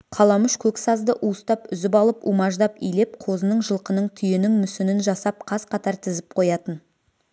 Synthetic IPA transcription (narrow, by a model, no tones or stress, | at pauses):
qʰɑlˠɑməʃkʲʰɵksɑzd̪əʔust̪ɑpʏzɪpɑlˠəpumɑʒd̪ɑpijlep̚qʰo̞zənəɴʒəlˠqənəɴt̪ʰʏjenɪŋmʏsɪnɪnʒɑsɑp̚qʰɑzqʰɑt̪ɑɾt̪ʰɪzɪp̚qʰo̞jɑt̪ən